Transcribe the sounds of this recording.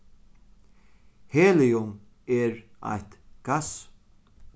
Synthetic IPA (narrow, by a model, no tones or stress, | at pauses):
heːlɪjʊm | ɛɹa̰jht̪ɡ̥as